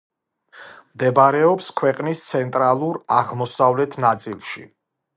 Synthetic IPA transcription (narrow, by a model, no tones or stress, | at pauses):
md̪ɛbaɾɛɔpskʰwɛqʼnist̪sʰɛnt̪ʼɾalˠuɾaʁmɔsavlɛt̪ʰnat̪sʼilˠʃi